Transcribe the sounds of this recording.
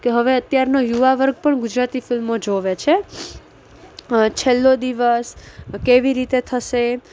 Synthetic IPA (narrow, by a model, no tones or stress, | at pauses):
keɦəʋeət̪jaɾnojuʋaʋəɾɡ̚pəɳɡud͡ʒɾat̪ifilmod͡ʒoʋet͡ʃʰe | t͡ʃʰelːod̪iʋəskeʋiɾit̪et̪ʰəʃe